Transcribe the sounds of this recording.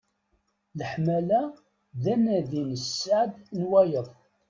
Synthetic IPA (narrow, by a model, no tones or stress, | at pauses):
ləħmælæ | ðænæðinəsːaʕd̪nwæjəðˤ